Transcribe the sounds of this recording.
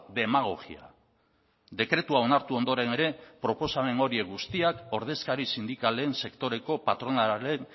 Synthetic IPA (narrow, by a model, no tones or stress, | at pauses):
d̪e̞maɣo̞ɣḭa̰ | d̪e̞kɾe̞t̪uao̞naɾt̪uo̞nd̪o̞ɾe̞ne̞ɾe̞pɾo̞po̞same̞ŋo̞ɾie̞ɣust̪iako̞ɾð̞e̞skaɾisind̪ikaleːnse̞kt̪o̞ɾe̞ko̞pat̪ɾo̞nalen